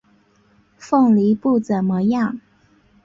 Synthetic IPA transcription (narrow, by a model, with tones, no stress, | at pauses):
fɤ˥˩ŋli˧˥pu˥˩t͡sə˨˩nmə˧˦jɑ˥˩ŋ